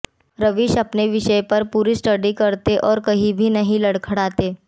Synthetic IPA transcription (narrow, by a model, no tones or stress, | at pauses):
ɾɐʋɪʃɐpneʋɪʃəjpɐɾpuːɾisʈɐɖikɐɾt̪eʔɔːɾkɐɦĩbʱinɐɦĩlɐɽkʰɐɽaːt̪eː